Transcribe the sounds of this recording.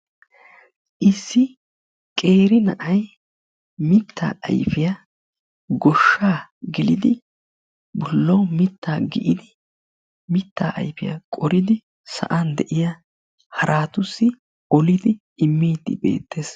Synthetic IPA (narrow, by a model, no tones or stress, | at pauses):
ʔɪsːɪ | kʼe̞ːɾɪnɐ̰ʔɐj | mɪt̪ʰːa̰ːʔɐ̰jfɪjɐ | ɡɔʃːaːɡɪlɪd̪ɪ | bɔlːɐwmɪt̪ːaːɡɪʔɪd̪ɪ | mɪt̪ːa̰ːʔɐ̰jfɪjɐ̰kʼɔɾɪd̪ɪ | sɐ̰ʔɐnd̪ɛʔɪjɐ | hɐɾʔaːt̪ʊsːɪ | ɔlɪd̪ɪ | ɪmːiːd̪ɪ̰be̞̰ːt̪ːe̞ːs